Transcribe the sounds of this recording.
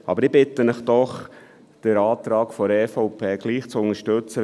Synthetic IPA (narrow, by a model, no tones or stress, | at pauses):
ʔɑ̰bəɾib̥ɪt̪ənəχd̥̪ɔχ | d̪̥əɾɑːt̪ɾɑːkfɔɾɛːfɔʊpʰeːɡ̥liːχt͡sʊnəʃtɵt͡sə